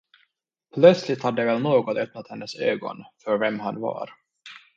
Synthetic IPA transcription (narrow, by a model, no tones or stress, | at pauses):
pʰlœt̪slɪt̪had̪ːəvɛlnoːɡɔt̪œp̚nat̪hɛnːəsø̰ːɡɔ̰nfœɾvɛmɦanvɑ̰ɾ